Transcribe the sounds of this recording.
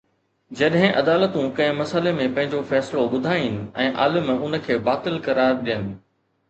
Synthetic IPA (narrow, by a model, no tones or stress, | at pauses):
d͡ʑɐɗɦɪ̃ʔɐd̪aːlət̪ũkɐ̃ɦɪ̃mɐsəlemẽpɐ̃ɦɪ̃ɲd͡ʑofɛːsloɓʊd̪ʱaːinɪ̆ɛ̃ːʔa̰ːlɪmʊnə̆kʰeːbaːt̪ɪlkɐɾaːɾɗijənɪ̆